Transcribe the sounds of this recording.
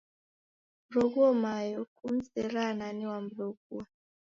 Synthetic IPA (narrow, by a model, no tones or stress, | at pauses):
mɾɔɡuɔmajɔkum̩sɛɾananiwamɾɔɡua